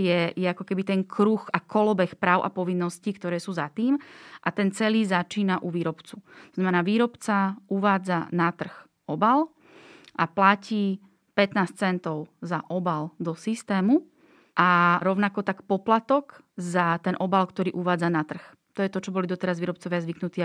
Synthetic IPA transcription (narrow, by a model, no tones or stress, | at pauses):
jɛjɛakɔkɛbit̪ɛŋkʰɾuxakɔlɔbɛxpɾaːʊʔa̰pɔʋinːɔscikt̪ɔɾɛːsuːzat̪iːmʔat̪ɛnt͡sɛliːzat͡ʃiːnaʔuʋiːɾɔpt͡sut̪ɔznamɛnaːʋiːɾɔpt͡saʔuʋaːd͡zanat̪r̩x | ʔɔbal | ʔaplaciː | pɛt̪naːst͡sɛnt̪ɔʊzaʔɔbald̪ɔsist̪ɛːmu | ʔaɾɔʊnakɔt̪akpɔplat̪ɔk | zat̪ɛnʔɔbalkt̪ɔɾiːʔuʋaːd͡zanat̪r̩x | t̪ɔjɛt̪ɔt͡ʃɔbɔlid̪ɔt̪ɛɾazʋiːɾɔpt͡sɔʋɪazʋiknut̪iː